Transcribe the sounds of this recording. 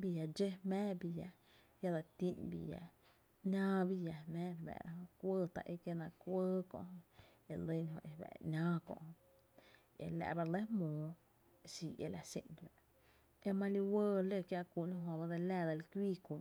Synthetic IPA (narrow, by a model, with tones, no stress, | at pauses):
bi˧˨ja˨d͡ʒe˦mɛ̃ː˦bi˧ja˨ | ja˦d̪a˧˨t̪i˦nbḭ˧ja̰˨ | nãː˦bi˧ja˨mɛ̃ː˦bɛ̰˨ɾa˧˦ɦõ˧kʷəː˦t̪a̰˨ʔe˧ke˧nã˧kʷəː˦kɔ̰̃˧h | e˧˨lə˦nɦõ̰˧ʔe˨bɛ̰˨nʲãː˦kɔ̰̃˧ʔh | ḛ˨la̰˧ʔba˧ɾle˦mũː˨˦ | si˧ʔḛ˧la˨sḛ˧n˨ba˨ʔ | e˧mã˧li˧wəː˦le˦˨kja˧ʔkʷu˧˨ʔnũ˧ɦõ˧ba˧d̪e˧la˧˨d̪a˧lkʷiː˦ku˨